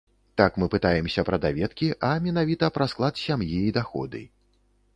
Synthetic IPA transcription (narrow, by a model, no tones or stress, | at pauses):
t̪akmɨpɨt̪ajɛmsʲɐpɾɐd̪avʲɛt̪kʲiʔɐmʲɛnavʲit̪ɐpɾɐsklˠat̪sʲamjijd̪axɔ̰d̪ɨ̰